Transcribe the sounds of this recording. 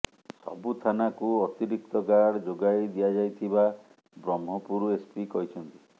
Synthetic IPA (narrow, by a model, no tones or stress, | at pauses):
sɔ̰but̪ʰanakuɔt̪iɾik̚t̪ɔɡaɽd͡ʒoɡajd̪ijad͡ʒajt̪ʰiba | bɾɔmɦɔpuɾuespikɔɦit͡ʃʰɔnt̪i